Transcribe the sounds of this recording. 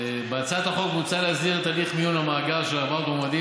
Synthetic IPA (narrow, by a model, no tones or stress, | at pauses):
beat͡sat̪aχo̞kmut͡saleazdiʁet̪aliχmijunhamaːɡalʃelamalt̪omad̪i